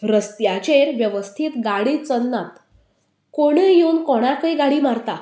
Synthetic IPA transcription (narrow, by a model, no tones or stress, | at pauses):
ɾəst̪jat͡ɕeɾʋjəʋəst̪ʰiːt̪ɡaɽiːt͡sənːat̪ | koɽ̃ejuːnkɔɽ̃akəjɡaɽiːmaɾt̪a